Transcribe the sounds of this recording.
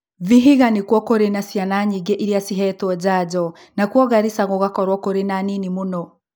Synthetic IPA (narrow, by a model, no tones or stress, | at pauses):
viɦiɣanikwɔkoɾenasianaɲiɡɛʔiɾiasiɦɛtwɔd͡ʒaɟɔ | nakwɔɣaɾisaɣɔɣakɔɾwɔkoɾenaninimunɔ